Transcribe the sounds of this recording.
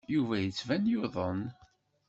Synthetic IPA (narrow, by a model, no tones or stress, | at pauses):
juvæjət͡sːvænjʊðˤən